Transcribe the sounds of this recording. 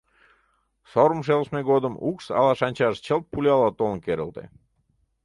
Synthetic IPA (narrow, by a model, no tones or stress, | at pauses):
soɾəmʃ̬elˠsmeɡod̪əmuksɑ̰lˠɑʃɑnʲt͡ɕɑʃt͡ɕəlˠt̪̚pulʲɑlˠɑt̪olˠŋkeɾə̰lt̪ḛ